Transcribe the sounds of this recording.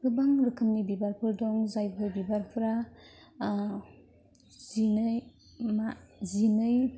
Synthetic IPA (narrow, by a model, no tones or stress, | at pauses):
ɡɯbaŋɾɯkʰɯmnibibaɾpʰɯɾdɔŋzajpʰɯjbibaɾpʰɾa | zinɯj | mazinɯj